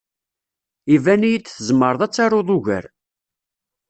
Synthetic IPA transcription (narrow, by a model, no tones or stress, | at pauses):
ivænijit͡sːθəzmːəɾˤðˤæt͡sːɑɾoðˤʊʝə̰ɾ